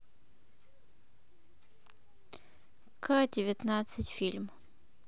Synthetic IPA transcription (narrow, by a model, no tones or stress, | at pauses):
kʰadʲɪvʲɪt̪nat̪sɨtʲfʲilʲm